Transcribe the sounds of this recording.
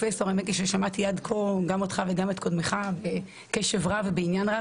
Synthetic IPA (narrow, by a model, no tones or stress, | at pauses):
feso̞ʁamekiʃeʃamat̪ijad̪kʰoɡamot̪χaveɡamet̪kʰod̪meχabe | keʃevʁavebeinjanʁa